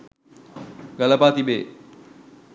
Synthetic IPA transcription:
ɡɐləpaːt̪ibeː

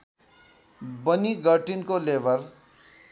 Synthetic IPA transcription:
bʌniɡʌʈinkolebʱʌr

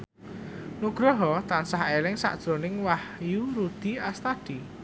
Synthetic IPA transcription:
nuɡ̥ɾɔɦɔt̪ansaɦelɪŋsa̰ʔd̥ʒ̥ɾonɪŋwahjuɾud̪̥iast̪ad̪̥i

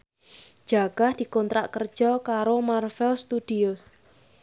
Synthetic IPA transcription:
d͡ʒ̥aɡ̥ahd̪̥i̤kɔnt̪ɾa̰ʔkərd̥ʒ̥ɔkaɾomarfɛlst̪ud̥iʊs

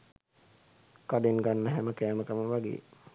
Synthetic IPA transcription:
kaɖenɡanːəɦæməkæːməkəməʋaɡḛː

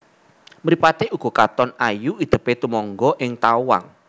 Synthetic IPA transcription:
məɾipat̪euɡ̥ɔ̤kat̪ɔnajuid̪̥ə̤pet̪umɔŋɡɔʔɪŋt̪auwa̰ŋ

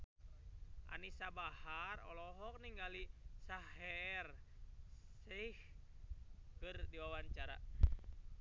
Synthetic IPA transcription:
ʔa̰nisabaharɔ̰lɔɦɔk̚niŋɡalisahɛr | sih | kɨrdiwawaɲt͡ʃaɾa̰

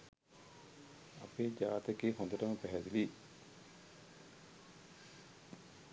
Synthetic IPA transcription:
ɐ̰peːd͡ʒaːt̪ekiːhõnd̪əʈəməpæɦɛd̪ili

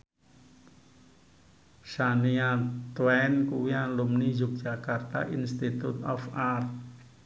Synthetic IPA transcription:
saniat̪wɛnkuwialumnizuk̚d̥d͡ʒ̥akart̪a̰ʔinst̪it̪ut̪ɔfar

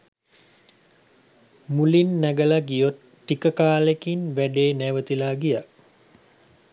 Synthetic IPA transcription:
mulinːæɡəlaɡijot̪ːikəkaːlekinʋæɖeːnæʋət̪ilaːɡija

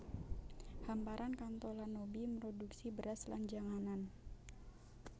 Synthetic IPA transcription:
hampaɾankant̪ɔlanobiməɾoduksibəɾasla̰nd͡ʒaŋanan

